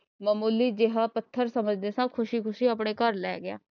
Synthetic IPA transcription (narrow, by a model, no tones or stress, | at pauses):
məːmuːliːd͡ʒɪɦãːpət̪ʰːəɾsəməd͡ʒd̪eːsãːkʰʊʃiːkʰʊʃiːap̬ɳeːkəɾlɛ̰ːɡɪja̰ː